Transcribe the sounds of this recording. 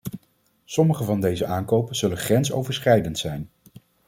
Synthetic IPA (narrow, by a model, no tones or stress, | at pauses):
sɔməχəvɑndejzəʔaːŋkowpənz̥ɵlənχrɛnso̰wvəɹsχrɛjdəntsɛjn